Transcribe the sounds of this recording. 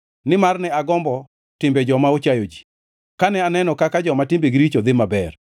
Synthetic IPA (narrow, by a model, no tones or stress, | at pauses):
nɪmarnɛaɡɔmbɔ | tɪmbɛd͡ʒɔmaot͡ʃajod͡ʒi̥ | kanɛanɛnɔkakad͡ʒɔmatɪmbeɡɾit͡ʃod̪ɪmabɛr